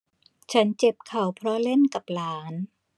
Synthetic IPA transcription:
t͡ɕʰa˦˥nt͡ɕe˨˩p̚kʰa˨˩wpʰɾɔ˦˥le˥˩nka˨˩p̚laː˦˥n

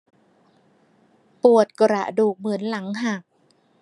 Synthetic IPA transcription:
pu˨˩ət̪̚ko˧ɾa̰˨˩ʔduː˨˩k̚mɯ˩˦ənla˩˦ŋɦa˨˩k̚

